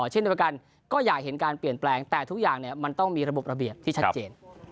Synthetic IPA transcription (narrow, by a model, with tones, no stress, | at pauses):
t͡ɕʰe˥˩ndi˧ka˧n | kɔː˥˩jaː˨˩k̚ɦe˩˦nkaː˧npi˨˩ənplɛː˧ŋt̪ɛː˨˩t̪ʰu˦˥k̚jaː˨˩ŋni˥˩ɐma˧nt̪ɔ˥˩ŋmiː˧ɾa˧bo˨˩p̚ɾa˧bi˨˩əp̚t̪ʰiː˥˩a˦˥t̚t͡ɕeː˧n